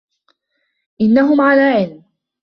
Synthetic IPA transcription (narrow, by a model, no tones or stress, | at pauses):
ʔɪnːaɦʊmʕalaːʕɪlm